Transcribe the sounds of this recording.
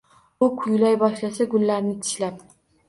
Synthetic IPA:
ʊkʰʊjlajbɒʃlasaɡʊlːaɾnɪt̪ʰɪ̥ʃlap̚

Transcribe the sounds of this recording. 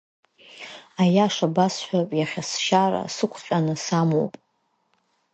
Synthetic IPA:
ajaʂabasħʷᶣapʼjaχʲasʃara̰sɨkʷʰqʲʼanɨsamo̰wpʼ

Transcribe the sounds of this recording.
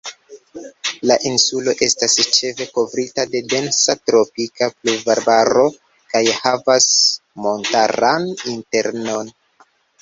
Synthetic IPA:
laʔinsulo̞ʔe̞stast͡ʃe̞ve̞ko̞vɾitade̞de̞nsatɾo̞pikaplubaɾbaɾo̞ | kajhavasmo̞ntaɾaninte̞ɾno̞n

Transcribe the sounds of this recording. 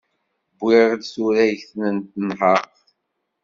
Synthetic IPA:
bːɪɾd̪suɾæjçθnənt̪nhəq

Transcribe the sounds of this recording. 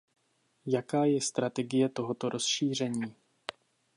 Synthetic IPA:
jakaːjɛst̪ɾat̪ɛɡɪjɛt̪o̞ɦo̞t̪o̞ɾʔo̞sʃiːr̝ɛɲiː

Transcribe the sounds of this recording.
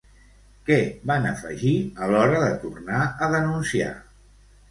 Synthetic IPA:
kɛβanəfə̰ʒiəlɔɾəðət̪urnaəðənunsia̰

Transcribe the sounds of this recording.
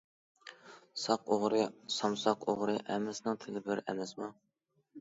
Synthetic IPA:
sɑqoʁɾɨsɑmsɑqoʁɾɨʔɛmːɪsnɨŋt̪ʰɪlɪbɪɾɛ̰mɛsmu

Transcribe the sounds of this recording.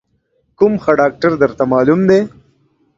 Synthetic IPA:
kʊmxəɖɑːk̚ʈəɾd̪əɾt̪amɑːlumd̪e

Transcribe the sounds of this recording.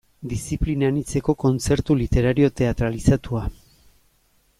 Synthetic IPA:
d̪isiplinanit͡se̞ko̞ko̞nt͡se̞ɾt̪ulit̪e̞ɾaɾio̞t̪e̞at̪ɾalisat̪ua

